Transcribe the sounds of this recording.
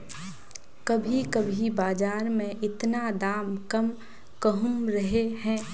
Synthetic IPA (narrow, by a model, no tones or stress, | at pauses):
kɐbʱikɐbʱibaːd͡ʒaːɾmẽʔɪt̪nad̪aːmkɐm | kəɦʊmɾɐɦeɦɛ̃ː